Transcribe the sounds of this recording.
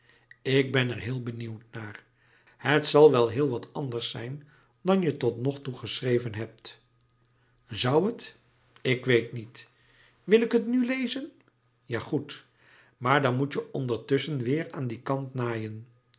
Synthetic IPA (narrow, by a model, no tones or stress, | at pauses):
ɪɡ̚bɛnɛɹɦɪːlˠbəniwtnaːr | hətsɑlˠʋɛlˠɦɪːlˠʋɑtɑndəɹsɛjn | dɑnjətɔtnɔχtuχəsrejvənɦɛp̚t | zʌwət | ɪkʋejtnit | ʋɪlɪkɦətnylejzən | jaːχut | maːɹdɑnmutəʔɔndəɹtʏsənʋɪːraːndikɑntnaːjən